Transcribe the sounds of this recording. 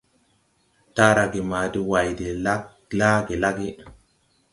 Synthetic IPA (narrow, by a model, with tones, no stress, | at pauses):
ta˦ɾa˨ɡi˨ma˨di˦wa˨jde˨la˦ | la˦ɡe˨la˦ɡi˦